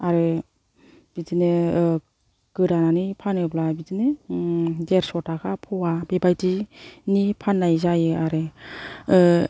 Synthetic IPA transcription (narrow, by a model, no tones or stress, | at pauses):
aɾɯ | b̥idine | ɡ̥ɯɾananipʰanɯblabizinɯ | deɾsɔtakʰapʰɔwabebajtinipʰanːajzajɯaɾɯ